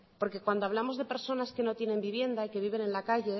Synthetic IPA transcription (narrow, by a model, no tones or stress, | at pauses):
po̞ɾke̞kwand̪oaβlamo̞zðe̞pe̞ɾso̞naske̞no̞t̪je̞nẽ̞mbiβje̞nd̪aike̞β̞iβ̞e̞ne̞nlakaʝe̞